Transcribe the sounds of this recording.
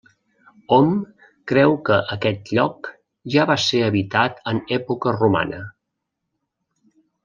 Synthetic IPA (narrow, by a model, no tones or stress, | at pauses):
ɔm | kɾɛwkəʔəkɛt̪ʎɔk | ʒaβaseəβit̪at̪ənɛpukəruma̰nə